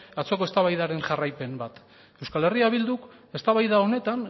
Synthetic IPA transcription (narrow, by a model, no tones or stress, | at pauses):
at͡so̞ko̞e̞st̪aβajðaɾe̞nʝarajpe̞mbat̪ | e̞wskale̞riaβ̞ild̪uke̞st̪aβajðao̞ne̞t̪an